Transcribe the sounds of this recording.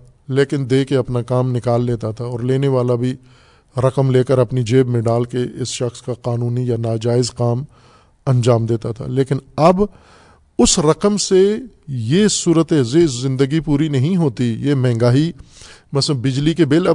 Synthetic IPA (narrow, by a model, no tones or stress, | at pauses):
leːkɪnd̪eːkeɐpnakaːmnɪkaːlːeːt̪at̪ʰaɔːɾleːneʋaːlabʱi | ɾɐkəmleːkəɾɐpnid͡ʒeːbmẽɖaːlkeɪsʃɐxskaqaːnuːnijanaːd͡ʒaːɪzqaːm | ɐ̃nd͡ʒaːmd̪eːt̪at̪ʰa̰leːkɪnɐb | ʊsɾɐqəmsejesuːɾət̪ezeszɪ̃nd̪əɡipuːɾinɐɦĩɦoːt̪ijemɛ̃ːŋɡaːɦi | mɐsəbɪd͡ʒlikebɪlɐ